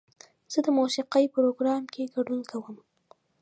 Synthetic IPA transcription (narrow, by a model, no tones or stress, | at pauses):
z̥əd̪əmosɪqəjpəɾoɡɾɑmkʰeɡaɖunkʰawəm